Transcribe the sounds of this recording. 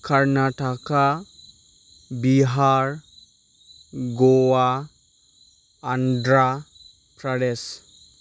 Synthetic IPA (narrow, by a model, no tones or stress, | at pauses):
kaɾnaʈaka | biɦaɾ | ɡowa | nɖɾa | pɾəɽes